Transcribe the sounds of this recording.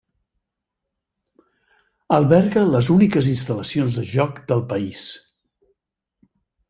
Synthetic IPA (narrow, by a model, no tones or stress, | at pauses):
əlˠβɛɾɣələzunikəzinst̪ələsionzðəʒɔkd̪əlˠpəis